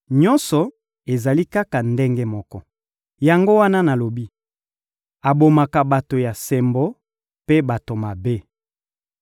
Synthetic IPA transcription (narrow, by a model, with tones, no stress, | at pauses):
ɲɔ˦nsɔ˨ | e˨za˨li˦ka˦ka˨nde˦ŋɡe˦mɔ˦kɔ˦ | ja˨ŋɡo˦wa˦na˦na˨lo˨bi˦ | a˨bo˨ma˨ka˨ba˨to˨ja˨se˨mbo˦ | pe˦ba˨to˨ma˨be˦